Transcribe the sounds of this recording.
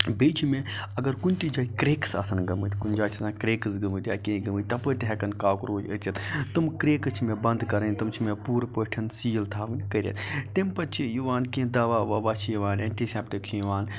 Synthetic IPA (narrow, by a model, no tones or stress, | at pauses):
beːt͡ʃʰimeɐɡɐɾkunʲt̪id͡ʒaːikɾeːksa̰ːsɐnɡɐmɨt̪kund͡ʒaːt͡ʃʰsãkɾeːksɡɐmɨt̪ʲjaːkẽːɡɐmɨt̪̚ʲt̪ɐpət̪ɦɛkɐnkaːkɾoːd͡ʒə̰t͡ʃɐt̪t̪ɨmkɾeːkɨt͡ʃʰimebɐnd̪kɐɾɐnʲt̪ɐmt͡ʃʰimepuːɾpəʈʰɐnsiːjlt̪ʰaːʋɨnʲkɐɾʲḛt̪t̪empɐt͡ʃʰijuʋaːnkẽd̪ɐʋaːʋɐʋaːt͡ʃʰijʋaːneɳʈiseːpʈikt͡ʃʰijʋaːn